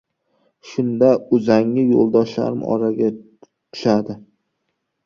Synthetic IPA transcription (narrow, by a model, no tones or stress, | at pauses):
ʃʊnd̪aʊzaŋɪjo̰lˠd̪ɒʃla̰ɾɪmɪ̰ɒ̰ɾaɡʲa | t̪ʰʊ̥ʃad̪ɪ